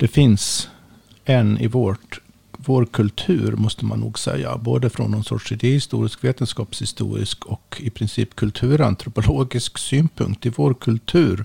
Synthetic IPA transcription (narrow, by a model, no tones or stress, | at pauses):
d̪̥ɛfɪns | ɛnɪ̰voːʈ | voːɾkʰɵlt̪ʰʉ̟̰ːɾmɔst̪əma̰nːuːɡsɛ̰jːa̰boːd̪əfɾɔ̰nːɔnsɔ̰ʈʂɪd̪eːhɪst̪ṵːɾɪskveːt̪ənskɑːpshɪst̪ṵːɾɪ̰skʰɔkɪpʰɾɪnsiːpkʰɵlt̪ʰʉ̟ːɾant̪ʰɾʊpʊloːɡɪsksyːnpʰɵ̰ŋk̚t̪ɪvoːɾkʰɵlt̪ʰʉ̟ːɾ